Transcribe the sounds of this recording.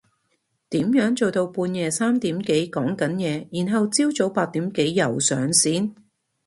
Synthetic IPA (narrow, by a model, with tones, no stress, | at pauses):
t̪iː˨˥mjœː˨˥ŋt͡so˨wt̪o˧wpuː˧njɛː˨˧saː˥mt̪iː˨˥mke˨˥jkɔː˨˥ŋkɐ˨˥njɛː˨˧jiː˨˩nɦɐ˨wt͡siː˥wt͡so˨˥wpaː˧k̚t̪iː˨˥mke˨˥jːɐ˨˩wsœ̰ː˨˥ŋsiː˥n